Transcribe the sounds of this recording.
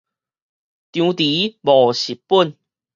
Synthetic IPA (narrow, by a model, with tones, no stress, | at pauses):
t̪jũ˧t̪i˨˦bɔ˨˩ɕi˨˩pu˥˨n